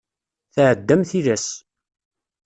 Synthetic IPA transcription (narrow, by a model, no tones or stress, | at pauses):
θʕəd̪ːæmθilæs